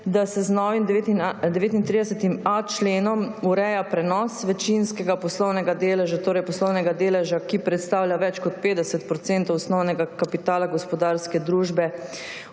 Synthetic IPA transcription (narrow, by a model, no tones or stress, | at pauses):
d̪asɛznɔːʋimd̪t̪id̪ɛʋeːt̪int̪ɾid̪ɛsɛt̪imat͡ʃleːnɔmuɾɛjapɾɛnɔsʋɛt͡ʃinskɛɡapɔslɔwnɛɡad̪eːlɛʒat̪oːɾɛjpɔslɔwnɛɡad̪eːlɛʒakipɾɛt̪st̪awljaʋɛt͡ʃkɔt̪̚peːd̪ɛsɛt̪pɾɔt̪sɛnt̪ɔwsnɔwnɛɡakapit̪aːlaɡɔspɔd̪aɾskɛd̪ɾuːʒbɛ